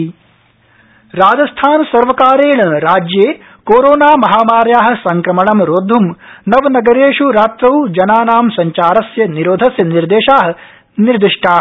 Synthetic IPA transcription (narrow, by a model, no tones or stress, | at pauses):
ɾaːd͡ʒɐst̪ʰaːnsɐɾʋɐkaːɾeːɳɐɾaːd͡ʒjeː | koːɾoːnaːmɐɦaːmaːɾjaːɦɐ̆sɐŋkɾɐmɐɳɐmɾoːd̪ʱumnɐʋnɐɡɐɾeːʂuɾaːt̪ɾɐwd͡ʒɐnaːnaːmsɐɲt͡ʃaːɾɐsjɐniɾoːd̪ʱɐsjɐniɾd̪eːʃaːɦɐ̆ | niɾd̪iʂʈʰaː